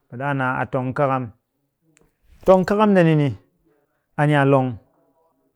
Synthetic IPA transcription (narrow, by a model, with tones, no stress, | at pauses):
be˨ɗa˦˨na˨a̰˨to˨ŋ̩˦ka˦ka˦m | to˧ŋ̩˦ka˦ka˦mde˧ni˧ni˧ | a˨ɲ˦a˨lo˧ŋ